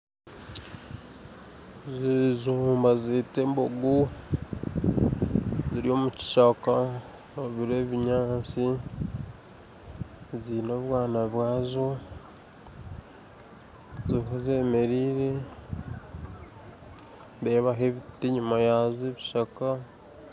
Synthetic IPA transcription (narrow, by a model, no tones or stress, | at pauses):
zizuːmbazetemboɡu | ziɾio̞ːmuci̥ʃaka | oβiɾeβiɲaːt͡si | zinoβwaːnaβwaːzo | ziiɦoze̞ːme̞ɾiːɾe̞ | βeβaɦe̞βitiɲumajazeβiʃaka